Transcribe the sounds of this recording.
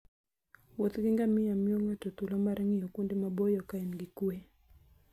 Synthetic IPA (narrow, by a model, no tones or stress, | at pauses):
wɔt̪ɡiŋɡamɪamjoŋatɔt̪ulɔmaɾɛŋijɔkundemabojɔkaɛnɡikue